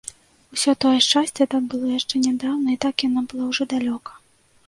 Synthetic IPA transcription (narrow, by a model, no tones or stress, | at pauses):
usʲɔt̪ɔjɛʂt͡ʂasʲt͡sʲɛt̪ak̪bɨlˠɔjaʂt͡ʂɛnʲɛd̪awnɐit̪akjanabɨlˠɔwʐɔd̪alʲɔkɐ̥